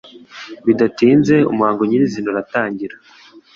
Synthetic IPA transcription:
βidatiːnze̞ṵmuhaːŋɡoɲiɾizinoɾataːɲɟiɾa

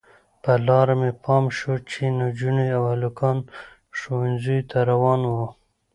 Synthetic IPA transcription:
pəlɑɾamepʰɑmʃot͡ʃinad͡ʒuniawhalukɑn | ʃowanzujt̪ʰaɾawɑnwo

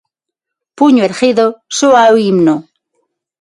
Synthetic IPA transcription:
puɲoeɾχiðosoawimno

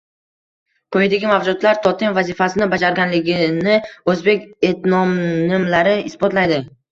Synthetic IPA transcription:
kʰɵjɪd̪aɡʲɪmavd͡ʒʊd̪laɾt̪ʰɒt̪ʰɪnvazifasɪnɪbad͡ʒaɾɡʲanlɪɡʲɪnɪɵzbe̞kʲet̪nɒmnɪmlaɾɪɪsbɒt̪lajd̪ɪ

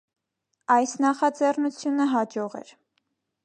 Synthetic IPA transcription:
ɑjsnɑχɑd͡zɛrnut͡sʰjunəɦɑd͡ʒɔʁɛ̰ɾ

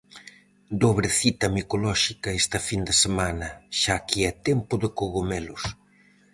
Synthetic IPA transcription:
d̪oβɾeθit̪ɐmikolɔʃikɐest̪ɐfind̪esemanɐʃakiɛt̪empʊðekoɣomelʊs

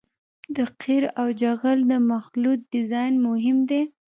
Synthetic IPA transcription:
d̪əqʰiɾawd͡ʒaɣəld̪əmaxlut̪̚d̪ɪzɑjnmʊɦɪmd̪e

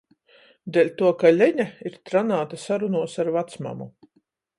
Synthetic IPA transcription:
d̪elʲt̪uɔkalʲɛɲaiɾt̪ɾanaːt̪asaɾunuɔsaɾvat̪sma̰mu

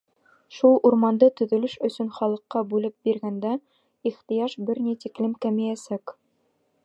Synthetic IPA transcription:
ʃulˠʔuɾmɑnd̪ɤt̪ɵ̆ðɵ̆lɘʃɵ̆sɵnχɒlˠɤ̆qːɑbʉlɘp̚biɾɡænd̪æ | iχt̪ijɑʃbɘɾnit̪iklɘmkæmijæsæk

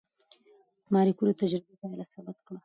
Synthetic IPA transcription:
mɑɾikuɾot̪ad͡ʒɾɪbepɑjlasabɪt̪kɽa

